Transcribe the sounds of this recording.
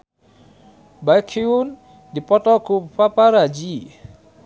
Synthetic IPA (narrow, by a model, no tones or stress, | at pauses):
bajkʰiun | dipɔt̪ɔkupapaɾad͡ʒi